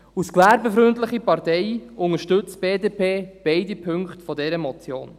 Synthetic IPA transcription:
usklæːɾbəfɾʏntlɪχipɑɾtɛɪʊŋəʃtɵt͡sb̥eːdeːpʰeːb̥eɪdipʰɵŋktfɔdɛɾəmɔt͡sjo̰ːn

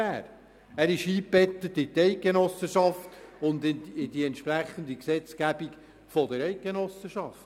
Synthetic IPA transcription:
æːɾ | æɾɪʃi̥ːɛt̪ːət̪ɪt̪ɛɪk̚ɡ̥enɔsəʃɑft̪ʊnd̪ɪɪd̥iɛnt̪ʃpræχːənd̪iksɛt͡skæbik | fɔd̪əɾɛɪk̚ɡ̥enɔsəʃɑft

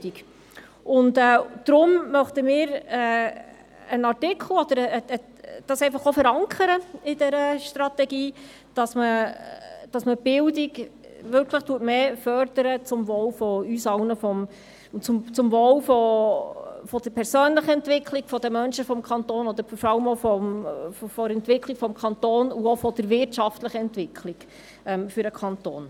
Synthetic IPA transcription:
i | ʊndɛd̥ɾʊmmœχtəmɪːɾɛ | ənɑʁtɪkʰl̩ɔd̪əɾ | d̥ɑsɛɪfɑχofəɾɑŋkʰəɾəɪdɛɾəʃtɾɑt̪ɛɡiː | d̥ɑsmə | d̥ɑsməb̥ɪldiɡ | ʋʏɾkʰləχtuətmeːfœɾd̥əɾət͡sʊmvɔːwfɔysɑwnəfɔm | t͡sʊmt͡sʊmvoːwfɔ | fɔd̥̪əɾpʰɛɾsøːnləχəɛntʋɪkʰliɡ̥fɔd̥̪əmœnʃəfɔmkʰɑnt̪oːnɔd̪əɾfɔɾɑləmofɔmffɔɾɛntʋɪkʰlikfɔmkʰɑnt̪oːnuofɔd̪̥əɾvɪɾtʃɑftləχəɛntʋɪkʰliɡ̥ | ɛmfʏɾəkʰɑnt̪o̰ːn

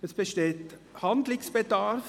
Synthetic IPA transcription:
ɛsb̥əʃteːthɑndlɪŋsb̥edɑɾf

